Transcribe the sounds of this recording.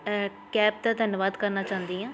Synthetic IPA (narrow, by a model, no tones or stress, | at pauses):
kɛːp̚d̪aːd̪ʱənʋaːd̪kəɾnaːt͡ʃaːnd̪iːãː